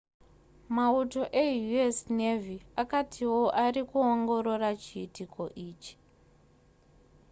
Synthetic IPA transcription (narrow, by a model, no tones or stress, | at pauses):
mauto̞ʔe̞juesne̞vʱiakatʰiwo̞ʔarikuoŋɡo̞ɾo̞rat͡ʃiitiko̞ʔiːt͡ʃi̥